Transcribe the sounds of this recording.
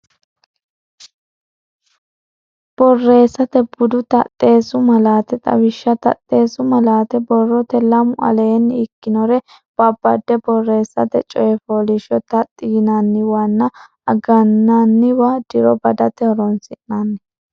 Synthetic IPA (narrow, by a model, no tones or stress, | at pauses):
b̥ɔrːe̞ːsːɐt̪ɛbʊd̪ʊt̪ɐ̰t̪ʼːe̞ːsʊmɐlaːt̪ɛt̪ʼɐ̰wɪʃːɐt̪ɐ̰t̪ʼːe̞ːsʊmɐlaːt̪ɛbɔrːɔt̪ɛlɐmʊʔɐ̰lɛjɛnːɪkːɪnɔɾɛ | b̥ɐbːɐd̪ːɛbɔrːe̞ːsːɐt̪ɛt͡ʃʼɔjɛfɔlɪʃɔt̪ɐt̪ʼːɪɡɪnɐnːɪwɐnːɐ | ɐɡɐnːɐnːɪwad̪̥ɪɾɔbɐd̪ɐt̪ɛhɔɾɔnsɪʔnɐnːɛ